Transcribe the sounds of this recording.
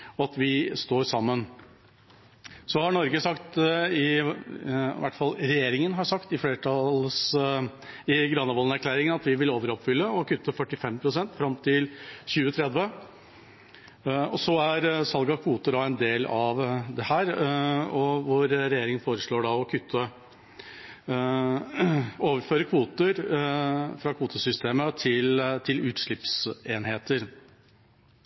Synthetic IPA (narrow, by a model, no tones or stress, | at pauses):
ɔɑt̪ʋɪst̪oːɾsɑmːən | sɔhɑɳɔɾɡəsɑkt̪ɪ | ʋæ̰ʈfɑlɾɛjeːɾɪŋənɦɑɾʂɑkt̪ɪfleːʈʰɑls | ɪɡɾɑnːəʋɔlnæɾklæːɾɪŋənɑt̪ʋɪʋɪloːʋəɾɔpfʏlːəɔkʰʉt̪ʰːəfœʈːɪfɛmpʰɾʊsɛnt̪fɾɑmt̪ʰɪlçʉːət̪ʰɾɛd̪ʋə | ɔsɔæɾsɑlɡɑkʰʋuːt̪əd̪ɑɛnd̪eːlɑʋd̪ɛhæːɾɔʋʊɾɾɛjeːɾɪŋənfoːɾəʂɭoːɖɑɔkʰʏt̪ʰːə | oːʋəɾføːɾəkʰʋuːt̪əɾ | fɾɑkʰʋuːt̪əsʏst̪eːmət̪ʰɪlt̪ʰɪlʉːt̪ʂɭɪpseːnheːt̪əɾ